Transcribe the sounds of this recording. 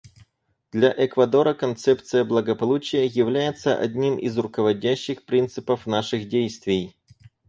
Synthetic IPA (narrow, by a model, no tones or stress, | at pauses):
d̪̥lʲɐʔɛkvɐd̪o̞ɾəkɐnt̪sɛpt̪sɨjəblˠəɡəpɐlˠut͡ɕɪjəjɪvlʲæjɪt̪səʔɐ̰dʲnʲimʔḭzrʊkəvɐdʲæɕːɪxpɾʲint̪sɨpəfnaʂɨxdʲejst̪vʲɪj